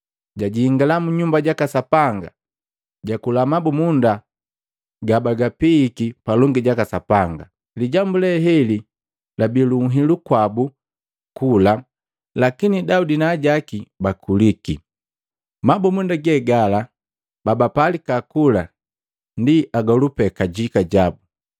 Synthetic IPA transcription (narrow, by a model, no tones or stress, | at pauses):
ɟaɟiiŋɡalamuɲumbaɟakasapaŋɡa̰ | ɟakulamabumunda | ɡabaɡapiːkipalɔŋɡiɟakasapaŋɡa | liɟambulɛɦɛli | labiluŋɦilukwabu | kula | lakinidaudinaːɟakibakuliki | mabumundaɡɛɡala | babapalikakula | ndiʔaɡɔlupɛkaɟikaɟabu